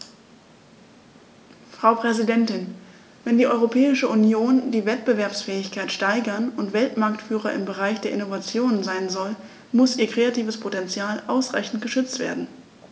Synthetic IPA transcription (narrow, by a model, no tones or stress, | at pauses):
fʁ̥aʊpʁ̥ɛzidɛntɪn | vɛndiːʔɔʏʁopʰɛːɪʃəʔunjoːndiːvɛtb̥əvɛɐpsfɛːɪçkʰaɪtʃtaɪɡɐnʊntv̥ɛltmaɐktfyːʁ̞ɐʔɪmbəʁaɪçd̥eːɐʔɪnovat͡sjoːnənzaɪnzɔl | mʊsʔiːɐkʁ̥eːatʰiːvəspʰotɛnt͡sjaːlʔaʊsʁa̰ɪçn̩tɡ̥əʃʏt͡stv̥ḛːɐdn̩